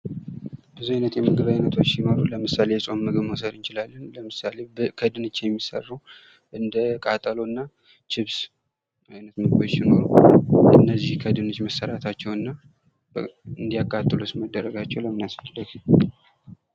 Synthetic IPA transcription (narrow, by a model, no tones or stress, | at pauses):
bɨzuajnət̪jɛmɨɡɨβajnət̪ʰo̞t͡ʃːjɪnoɾuləmɨsale̞jɛsʼo̞nmɨɡɨβmosəd̪ɨnt͡ʃɪlalːənləmɨsalekʰəd̪ɨnɨt͡ʃːjɛmːisə̰rːuw | ʔɨnd̪əkʼat̪ʼəlo̞ɨnːa | t͡ʃɪβs | ajnət̪mɨɡɨbot͡ʃːjɪno̞̰ɾṵɨnːəzːihkʰəd̪ɨnɨt͡ʃːməsːəɾat̪ʰat͡ʃːɛwɨnːa | ɨnd̪ijakʼːat̪ʼːɨlosməd̪ːəɾəɡat͡ʃːɛwləmɨnasət̪ʼːləɡ